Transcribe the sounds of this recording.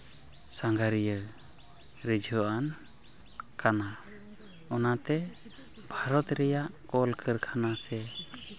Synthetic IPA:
saŋɡaɾijə | ɾid͡ʒʱɔʔan | kana | ɔnat̪ɛ | bʱaɾɔt̪ɾɛjaʔkɔlkʰəɾkʰanasɛ

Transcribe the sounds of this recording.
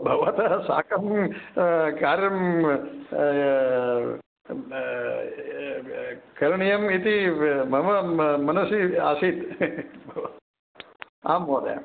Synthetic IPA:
bʱɐʋat̪ɐsa̰ːkɐm | kaːɾjɐm | kɐɾɳijɐmit̪imɐmɐmɐnɐsiaːsit̪bʱɐ | a̰ːmʋoːd̪ḛ

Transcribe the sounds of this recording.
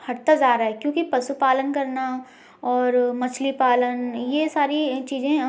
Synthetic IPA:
hɐɽt̪ad͡ʒaːɾaːɦɛkjõːkipɐsupaːlənkɐɾna | ɔːɾmɐt͡ʃʰlipaːlənjesaːɾit͡ʃiːzẽ

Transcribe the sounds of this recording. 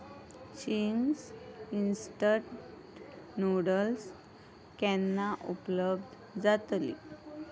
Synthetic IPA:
ɕiŋsinsʈə | noɽəls | kɛnːaʔupləbd̪ | d͡zat̪lḭ

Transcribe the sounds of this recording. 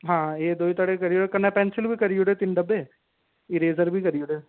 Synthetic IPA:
ɦãːeːd̪oːit̪aːɽekəɾijoːɽeːkɐnːapɛ̃ːnsɪlbʱiːkəɾijoɽeːt̪ɪnɖəbeː | iɾeːzəɾbʱiːkəɾioɽeː

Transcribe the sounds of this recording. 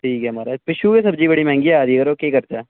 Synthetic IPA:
ʈʰiːkɛɦɐmaːɾapɪʃukesɐbd͡ʒibɐɽimɛ̃ːŋɡiɛaːd̪iɡəɾokeːkɐɾt̪aɛː

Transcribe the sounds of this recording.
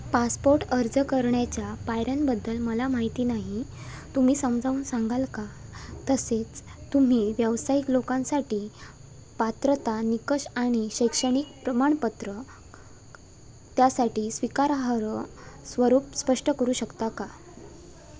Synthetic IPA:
paspoɾʈəɾd͡zəkəɾɳjat͡ɕjapajɾanbəd̪ːəlməlamaɦit̪iːnaɦit̪um̤iːsəmd͡zʱauːnsaŋɡalkat̪əset͡st̪um̤iːʋjəʋsaiklokãnsaʈiː | pat̪ɾət̪anikəʂaɽ̃iɕəjkʂəɽ̃ik̚pɾəmaɳ̃pət̪ɾə | t̪jasaʈiːsʋikaɾaɦɾəsʋəɾuːpspəʂʈəkəɾuːɕəkt̪aka

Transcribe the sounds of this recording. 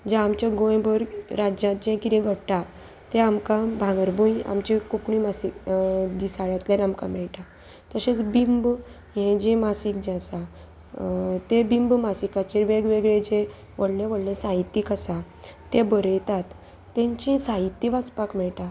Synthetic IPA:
d͡ʑaamt͡ɕjaɡõj̃bəɾɾad͡ʑãt̪d͡ʑɛ̃kit̪ɛ̃ɡʱəɽʈa | t̪eamkãbʱãɡəɾbũja̰mt͡ɕekukɽimasikd̪isaɭjat̪ljẽnamkã̰mɛɭʈa | t̪əset͡sbimb | jɛ̃d͡ʑẽmasikd͡ʑɛ̃sa | t̪ebimbmasikat͡ɕiɾʋeɡʋeɡɭẽd͡ʑẽ | ʋəɽlẽʋəɽlẽsãɦit̪ːikəsa | t̪ebəɾəjt̪at̪ː | ɛ̃ɲt͡ɕĩsait̪ːiʋat͡spakmɛɭʈa

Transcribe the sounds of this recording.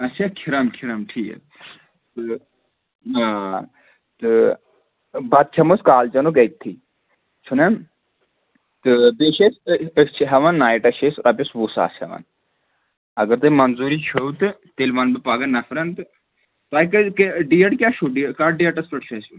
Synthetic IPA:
ɐt͡ʃʰakʰiɾaːmkʰiɾamʈʰiːkɐ̰ | t̪ɨ | aː | t̪ɨ | bɐt̪̚t͡ʃʰɐmuskaːlt͡ʃɐnukejk̚t̪ʰiː | t͡ʃʰunɐm | t̪ɨbeːʃesət͡ʃʰiɦɐʋɐnːaːjiʈɐʃesɾɐpʲisʋusa̰ːsʰiɐ̰ʋɐ̰n | ɐɡɐɾt̪ɨmɐnzuːɾit͡ʃʰɐwt̪ɨt̪eːlʋaːnbɨpaːɡɐnːɐfɾɐnt̪ɨ | paːjkɐkɖijɐʈkʲaːʃʰuɖikaːɖijɐʈɐspɐʈʃʰɐsu

